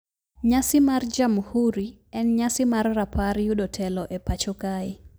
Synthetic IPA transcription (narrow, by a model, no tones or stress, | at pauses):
ɲasɪmard͡ʒamhuɾiɛnɲasɪmarːapʰaɾjuɗɔtʰɛlɔʔɛpat͡ʃɔkai